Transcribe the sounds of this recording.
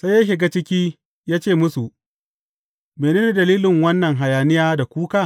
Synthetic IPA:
sa˦ja˦ʃ̬ɪ˨ɡa˦t͡ʃɪ˦kʲiː˦ | jaː˦t͡ʃeː˦˨mʊ˦su˨ | meː˨neː˦ni˨dɐ˨liː˦lɪ˨ŋwɐ˦nːɐ˨ŋɦa˨jaː˨nɪ˦jaː˦da˨kʷuː˦kaː˦˨

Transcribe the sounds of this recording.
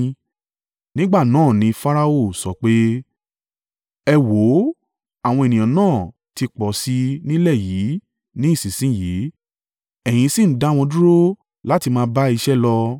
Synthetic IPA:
nĩ˦ɡ͡ba˦˨nãː˦˨nĩ˧˦fa˦ɾa˧o˦˨sɔ˨k͡pe˦ | ɛ˧wo˨˦ | a˦˨w̃ɔ̃˧e˨nĩ˨j̃ã˨nãː˦˨ | ti˧k͡pɔ˨si˧˦nĩ˦lɛ˦˨ji˨˦ | nĩ˦i˦˨sĩ˨sĩ˦ji˨˦ | ɛ˨j̃ĩ˧si˦˨n̩˦da˨˦˨w̃ɔ̃˧dũ˦ɾo˦ | la˦ti˧mãː˧˦ba˦i˧ʃɛ˦lɔ˧

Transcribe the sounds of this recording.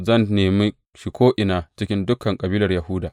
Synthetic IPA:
zɐ˦˨nːeː˨mi˦ | ʃɪ˨kʷʰoː˦ʔɪ˨naː˦t͡ʃɪ˦kʲɪ˦ndʊ˦kʰɐ˨ŋkʼɐ˨biː˦lɐ˨rjɐ˨hʊ˦daː˨ʔ

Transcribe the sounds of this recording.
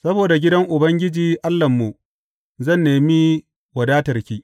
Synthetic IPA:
sɐ˦boː˨da˨ɡʲɪ˦dɐ˦ŋʔʊ˨bɐ˦ŋɡʲɪ˦d͡ʒiː˨ʔa˦lːɐ˨mːu˨ | zɐ˦˨nːeː˨mi˦ | wɐ˨daː˦tɐ˨rkʲiː˦

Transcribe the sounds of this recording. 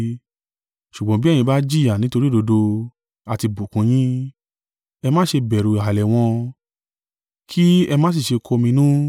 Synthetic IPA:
ʃu˨ɡ͡bɔ̃˧˦bĩ˦˨ĩ˧ba˦d͡ʒi˦˨ja˨nĩ˨˦to˧ɾi˦do˧do˧ | a˨ti˧bu˨kũ˨˧˦j̃ĩ˦ | ɛ˧mã˦ʃe˧bɛ˨ɾu˨a˨lɛ˨w̃ɔ̃˧ | kʰi˦ɛ˧mãː˦s̬i˦˨ʃe˧kʰo˧mĩ˧nũ˦

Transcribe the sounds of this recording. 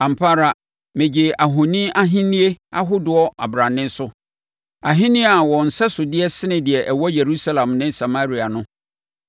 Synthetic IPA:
ã˨m̩˨pʰa˦ɾa˨ | mɪ̃˨d͡ʑɪ˨a˨ɦo˨nĩ˦a˦ɦĩ˦nĩ˦e˦a̰˦ɦʊ˦dʊ˨ɔ˦ʔa̰˨bɾã˨nɪ̃˦n˦sʊ˦ | a˨ɦɪ̃˦nɪ̃˦a˨wɔ̃˨n̩˨sɛ˦sʊ˨dɪ˦ɛ˦sɪ˦nɪ̃˨dɪ˨ɛ˨ʔɛ˨wɔ˦je˨ɾu˦sa˦lã˨mnɪ̃˦sa˨ma˦ɾi˨a˨nʊ̃˦

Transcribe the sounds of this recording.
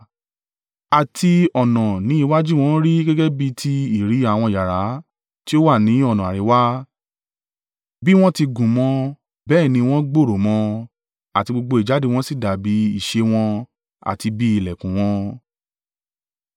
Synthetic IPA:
a˨tʰi˧ɔ˨nɔ̃˨nĩ˨˦i˦˧wa˦d͡ʒi˦˨w̃ɔ̃˦ɾi˦ɡɛ˦ɡɛ˦bi˧tʰi˧i˨ɾi˨˦a˦˨w̃ɔ̃˧˨ja˨ɾa˨˦ | ti˦o˦wa˦˨nĩ˨˦ɔ˦˨ñ˨a˨ɾi˨˦wa˦ | bi˦w̃ɔ̃˦ti˧ɡũ˨mɔ̃˧ | bɛː˦˨nĩ˧w̃ɔ̃˦ɡ͡bo˦˨ɾo˨˦mɔ̃˧˦ | a˨ti˧ɡ͡bo˧ɡ͡bo˧i˨d͡ʒa˨˦de˦˧w̃ɔ̃˦si˦˨da˨bi˨˦i˦˨ʃe˧w̃ɔ̃˧ | a̰˨ti˧bi˦i˦˨lɛ˨kũ˨w̃ɔ̃˧

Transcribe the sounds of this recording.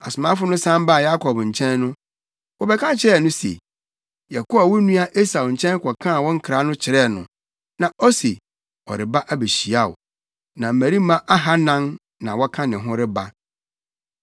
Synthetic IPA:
a̰˨sʊ˨mã˦fʊ˦nʊ̃˦sã˦m˦ba˦˨ja˦kʰɔ˨bɲ̩˨t͡ɕʰɛ̃˦nːʊ̃˦ | wɔ˨bɛ˨kʰã˦t͡ɕʰɪ˦ɾɛ˦˨nʊ̃˦sḛ˨ | jɛ˨kʊ˦a˨wɔ˦nũ˦a˦ʔe˦sa˨wɲ̩˨t͡ɕʰɛ̃˦n˦kʰɔ˨kʰã˦˨wɔ̃˦ŋ̩˦kʰɾa˨˦nʊ̃˦t͡ɕʰɪ˨ɾɛ˦˨nʊ̰̃˨ | nã˨ʔɔ˦se˨ | ɔ̰˨ɾɪ˨ba˦ʔæ˦be˨ɕi˨a˦˨ʊ̰˨ | nã˨m̩˨mæ̃˨ɾi˦mã˦ʔa˦ɦa˦nã˦n | nã˨wɔ˦kʰã˦nɪ̃˨ɦʊ̃˦ɾɪ˦ba˦

